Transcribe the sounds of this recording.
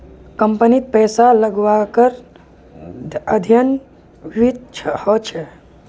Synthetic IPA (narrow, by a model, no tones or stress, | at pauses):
kəmpənit̪̚pɛsaləɡʋakəɾ | əd̪ʱjən | ʋit̪t͡ʃʰhɔt͡ʃʰɛ